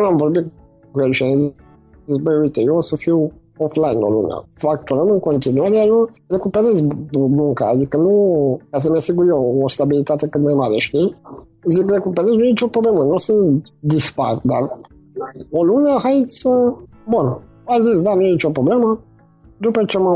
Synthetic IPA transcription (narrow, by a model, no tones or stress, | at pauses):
unamvo̞ɾbit̪ | kujet͡ʃez | zisbəuit̪ejeosəfiw | oflajno̰lṵnḛa̰fakt̪uɾəmɨŋko̞nt̪inuaɾeajorekupeɾet̪sʲbuŋkaːd̪ikənukas̬əmasiɡuɾjeost̪abilit̪at̪e̞kɨt̪majmaɾeʃt̪ij | zikɾekupeɾesnujeit͡ʃʲo̞pɾoble̞mənusɨnt̪d̪ispaɾd̪aɾ | oluneaxajt̪sʲsə | bun | azisʲd̪anujeit͡ʃo̞pɾo̞ble̞mə | d̪upət͡ʃema